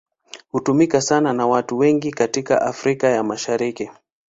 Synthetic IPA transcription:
hutumikasananawatuwɛŋɡikatika̰ʔafɾikajamaʃaɾiki

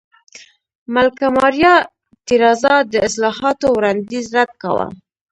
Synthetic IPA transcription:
malkamɑɾjɑ | t̪iɾɑzad̪əɪslɑhɑt̪owɾɑnd̪izɾad̪̚ka̰wa̰

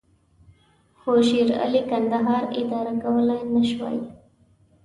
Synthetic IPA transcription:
hoʃiɾa̰likand̪aɦɑːɾɪd̪ɑɾakawəlajnəʃwa̰j

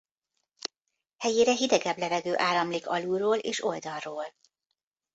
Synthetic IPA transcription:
hɛjeːɾɛɦid̪ɛɡɛblɛvɛɡøːʔaːlːɒmliːkɒluːroːleːʃo̞ld̪ɒlroːl

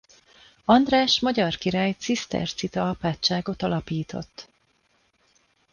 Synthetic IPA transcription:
ɒnd̪raːʃmɒɟɒrkiɾaːjt̪sist̪ɛ̰rt̪sit̪ɒɒpaːtt͡ʃːaːɡo̞t̪ɒlɒpiːt̪o̞̰t̪ː

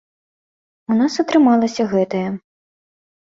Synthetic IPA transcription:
unasɐt̪ɾɨmalˠɐsʲɐɣɛt̪ɐjɐ

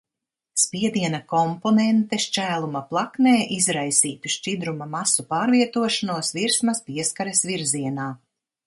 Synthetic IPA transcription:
spiɛd̪iɛnɐkɔmpɔnɛnt̪ɛʃt͡ʃæːlˠumaplˠakneːʔizɾajsiːt̪uʃt͡ʃid̪ɾumamasupaːɾvʲiɛt̪uɔʃanuɔsviɾsmɐspiɛskaɾesviɾziɛnaː

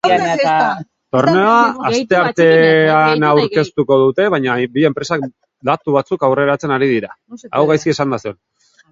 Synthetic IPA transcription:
t̪o̞rneaast̪e̞aɾt̪e̞anawɾke̞st̪uko̞ðut̪e̞βajɲabie̞mpɾe̞sak̚ | d̪at̪uβat͡sukawre̞ɾat͡se̞naɾiðiɾa | a̰wɣajskie̞sand̪aseon

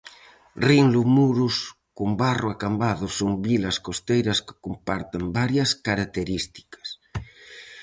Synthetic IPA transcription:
riŋlumuɾus | kumbarʊakambaðʊsoŋbilɐskost̪ejɾɐskɪ̥kompaɾt̪ɪmbaɾjɐskaɾak̚t̪eɾist̪i̥kɐ̥s

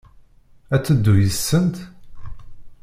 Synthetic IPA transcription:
æt͡sːəd̪ːujəsːənt̪

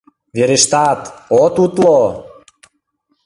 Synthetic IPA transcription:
veɾeʃt̪ɑt̪ot̪ut̪lo

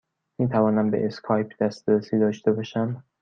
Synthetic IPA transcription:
miːt̪ʰævɒːnæmbeʔeskʰɒːjpʰd̪æst̪ɾesiːd̪ɒːʃt̪e̞bɒːʃæm

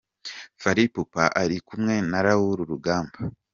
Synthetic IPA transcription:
faɾipupaʔaɾikumŋe̞naɾahuɾuɾuɡaːmba

